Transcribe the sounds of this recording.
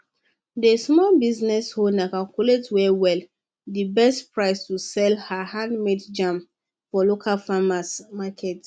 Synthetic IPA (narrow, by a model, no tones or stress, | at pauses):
desmɔlbiznɛshonãkalkuletwɛwɛl | dibɛstpʰɹaɪstusɛlhahãndmedd͡ʒãm | fɔlokʰalfamasmakʰɛt